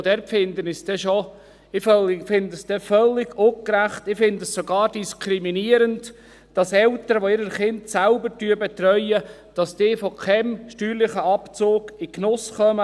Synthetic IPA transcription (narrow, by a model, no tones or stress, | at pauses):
d̥ɛɾpfɪndənɪsd̥ɛʃo | ɪfœlɪfɪndəsd̥ɛfœlːɪɡokɾæχt̪ɪfɪndəssoɡɑːɾd̥iskʰɾiminiəɾənt | d̥ɑsɛltəɾəʋoɪɾəɾχɪntsælbəɾtyəbet̪ɾœʏə | d̥ɑsd̥ɪːfɔkʰɛmʃtyːɾlɪχəɑpt͡soːɡ̥ɪknʊsχœmə